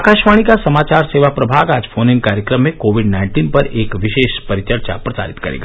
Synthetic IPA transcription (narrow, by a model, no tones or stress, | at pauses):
akaːʃʋaːɽ̃ikasɐmaːt͡ʃaːɾseːʋapɾɐbʱaːɡaːd͡ʒfʰoːnɪ̃nkaːɾjəkɾəmːẽkoːʋɪɖnaːɪ̃ɳʈiːnpɐɾeːkʋɪʃeːʃpɐɾɪt͡ʃəɾt͡ʃa̰pɾɐsa̰ːɾɪt̪kɐ̰ɾḛːɡaː